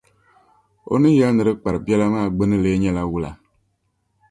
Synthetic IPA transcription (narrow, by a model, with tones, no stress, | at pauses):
o̰˦nɨ˦jɛ˦lnɨ˨ɾɨ˦k͡pa˨ɾɨ˨pi˦ɛ˦la˦maː˦˨ɡ͡be˦nɨ˦leː˦ɲɛ˦la˦wu˦la̰˨